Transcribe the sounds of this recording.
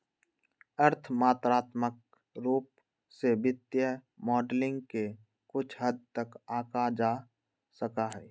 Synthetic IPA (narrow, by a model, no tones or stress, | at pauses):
əɾt̪ʰmaːt̪ɾaːt̪mək̚ | ɾuːp | sebɪt̪jəmɔːɖlɪ̃ŋɡke | kʊt͡ʃʰɦəd̪̚ʱt̪əkaːkad͡ʒaː | səkaɦɛː